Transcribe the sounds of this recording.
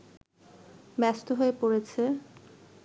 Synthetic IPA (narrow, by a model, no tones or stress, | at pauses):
mɛst̪oɦoepoɾet͡ɕʰe